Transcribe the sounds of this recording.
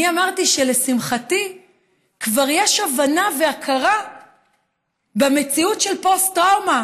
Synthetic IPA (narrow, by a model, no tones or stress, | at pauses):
iamaʁtiʃe̞le̞simχati | kvaʁjeʃavanaveakʰaʁa | beme̞t͡siutʃelpo̞stʁawma